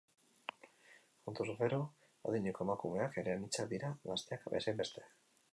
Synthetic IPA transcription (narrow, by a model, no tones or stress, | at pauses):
xunt̪usufeɾo | oðiɲeko̞emakume̞ake̞ɾeanit͡sad̪iɾaɣast̪e̞akbḛsejmbe̞st̪e̞̥